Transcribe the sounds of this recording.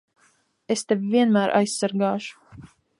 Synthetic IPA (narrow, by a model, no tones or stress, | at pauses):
ɛst̪ɛvviɛnmæːɾʔa̰jsːaɾɡɑːʃu̥